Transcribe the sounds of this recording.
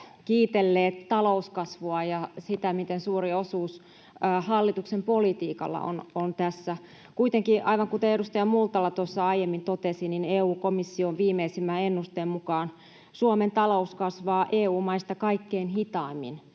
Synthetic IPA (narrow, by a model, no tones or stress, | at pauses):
kiːt̪elːeːt̪tɑlouskɑsʋoɑjɑsit̪æmit̪ensuːriosuːsː | hɑlːit̪uksempolit̪iːkɑ̰lːɑ̰o̰nont̪æsːæ | kuit̪eŋkiʔɑiʋɑŋkut̪eeɾust̪ɑjɑmult̪ɑlːɑt̪osːɑɑijemːint̪ot̪esinineːuːkomisːioʋʋiːmeisimːæenːust̪eːmmukɑːn | suoment̪ɑlouskɑsʋɑːʔeːuːmɑist̪ɑkɑikːeinhit̪ɑːmːḭn